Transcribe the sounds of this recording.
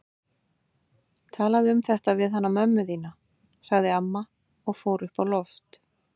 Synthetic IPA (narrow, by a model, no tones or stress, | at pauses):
t̪ʰaːlaðɪʏmθɛht̪avɪðhanːamœmːʏðiːna | saɣðɪamːa | ɔɣfoːwɾʏhpawlɔft̪